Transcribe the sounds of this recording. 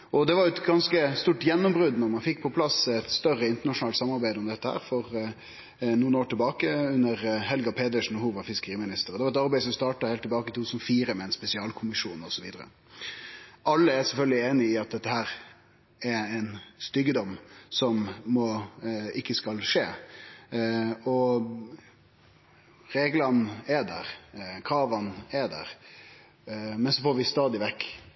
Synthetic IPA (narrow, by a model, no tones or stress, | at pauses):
ʔɔd̪ɛʋɑɾjʊɛt̪ɡɑnskəst̪uːʈjɛnːʊmbɾʉd̪nɔɾmɑnfɪkːpʰɔpʰlɑsɛt̪st̪œrəɪnt̪əɳɑʂʊnɑlsɑmːɑɾbæɪd̪əɔmd̪ɛt̪ːəhæ̰ːɾfɔɾ | nuːənoːʈɪlbɑːkəʉnːəɾɦɛlɡɑpʰeːd̪əʂn̩huːʋɑɾfɪskəɾiːmɪnɪst̪əɾɔd̪ɛʋɑɾɛt̪ɑɾbæɪsɔmst̪ɑːʈɑhelt̪ʰːɛlbɑːkəɪt̪ʰuːt̪ʰːʉ̥ːsnɔfiːɾəmɛɛnspɛsɪɑːlkʰʊmɪʂuːnɔsɔʋḭːd̪əɾə̰ | ʔɑlːəæɾsɛlfœlɡ̪lɪeːnɪɪɑt̪̚d̪ɛt̪ːəhæːɾ | ɛɾɛnst̪ʏɡəd̪ɔmːsɔmːɔɪkːəskɑlʂeː | ɔ | ɾeːɡlɑnɛd̪æ̰ɾkʰɾɑːʋɑnɛd̪æ̰ːɾ | mɛnsɔfoːɾʋɪst̪ɑːd̪ɪʋɛkː